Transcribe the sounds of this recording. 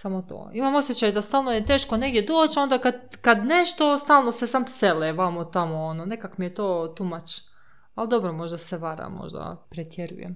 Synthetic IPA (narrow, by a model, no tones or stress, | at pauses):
samot̪o̰ːimamo̞sjet͡ɕajd̪ast̪aːlˠnojet̪e̞ːʃkone̞ɡd̪jed̪oːt͡ɕo̞nd̪akad̪kad̪neʃt̪o̞st̪aːlˠnosesamseleʋamot̪amoonone̞kakmijet̪oːt̪umat͡ʃ | ald̪o̞bɾomo̞ʒd̪aseʋaɾa̰mːo̰ʒd̪a̰pɾet̪jeɾṵjḛm